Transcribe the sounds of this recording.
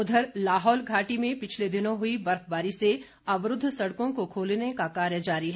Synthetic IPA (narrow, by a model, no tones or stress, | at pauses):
ʊd̪ʱəɾlaːɦɔːlɡʱaːʈimẽpɪt͡ʃʰled̪ɪnõɦʊibɐɾkbaːɾise | ɐʋɾʊd̪ʱːsɐɽkõkokʰoːlnekakaːɾjəd͡ʒaːɾiɦɛː